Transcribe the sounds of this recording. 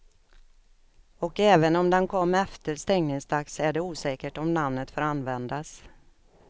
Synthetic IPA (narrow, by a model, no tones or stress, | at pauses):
ɔkɛːvənɔmd̪ɛnkʰɔmːɛft̪əɾst̪ɛŋnɪŋsd̪aksæɖɛuːsɛːkəʈɔmnamnət̪foːɾanːvɛnd̪as